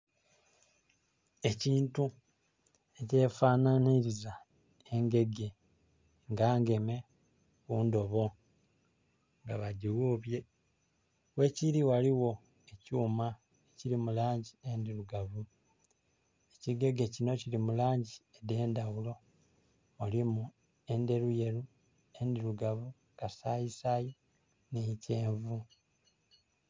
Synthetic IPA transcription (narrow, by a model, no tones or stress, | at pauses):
e̞ciːntu | e̞ce̞ːfaːnaniɾiza | e̞ŋɡe̞ɡe̞ | ŋɡaːŋɡe̞me̞ | kuːndo̞βo̞ | ŋɡaβaɟiwuβje̞ | we̞ciɾiwaliwo̞ | e̞cuːma | eciɾimulaːɲɟie̞ndiɾuɡavu | eciɡe̞ɡe̞cino̞cilimulaːɲɟiede̞ːndawulo̞ | mulimu | e̞nde̞ɾuje̞ɾu | e̞ndiɾuɡaβu | kasajisaji | nece̞ːɱvu